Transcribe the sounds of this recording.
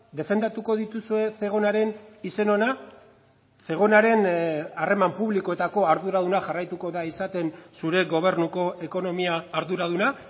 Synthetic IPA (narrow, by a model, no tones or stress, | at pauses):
d̪e̞fe̞nd̪at̪uko̞ðit̪usue̞se̞ɣ̞o̞naɾe̞nise̞no̞na | se̞ɣ̞o̞naɾe̞nare̞mampuβliko̞e̞t̪ako̞aɾðuɾað̞unaʝarajt̪uko̞ðaisat̪e̞nsuɾe̞ɣo̞β̞e̞rnuko̞e̞ko̞no̞miaːɾðuɾaðuna